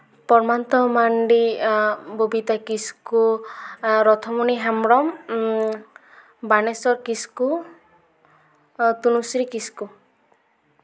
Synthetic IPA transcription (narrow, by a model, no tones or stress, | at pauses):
pɔɾmant̪ɔmaɳɖi | bobit̪akisku | ɾɔt̪ʰɔmuniɦamɽɔm | banesɔɾkisku | t̪unusɾikisku